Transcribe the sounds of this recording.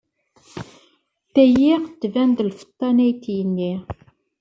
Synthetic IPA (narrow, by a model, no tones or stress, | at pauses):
θæjiʁt̪ːvænd̪lfə̥t̪ˤːɑnæjt̪jənːi